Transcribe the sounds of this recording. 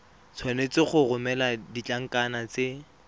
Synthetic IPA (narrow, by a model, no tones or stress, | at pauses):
t͡sʰwanet͡sɪχʊrʊmɛladit͡ɬʼaŋ̩kanat͡se